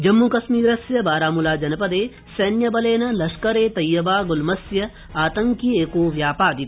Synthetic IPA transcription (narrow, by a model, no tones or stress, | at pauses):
d͡ʒɐmːukɐsmiːɾɐsjɐbaːɾaːmulaːd͡ʒɐnɐpɐd̪eː | sɐːnjɐbɐleːnɐlɐʃkɐɾeːt̪ɐjːɐbaːɡʊlmɐsjɐ | aːt̪ɐ̃ŋkieːkoːʋjaːpaːd̪it̪